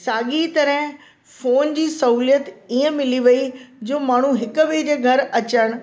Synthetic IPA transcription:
saːɠit̪ɐɾəɦɪ̃ | foːnd͡ʑiːsɐɦuːlijət̪iːə̃mɪliʋɐid͡ʑoːmaːɳ̤uɦɪkʊ̆ʋeːd͡ʑeːɡʱɐɾɐt͡ɕəɽ̃

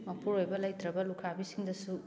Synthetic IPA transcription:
mɐpʰuɾojbɐlɐjt̪ɾɐbɐlukʰabisiŋd̪ɐsu

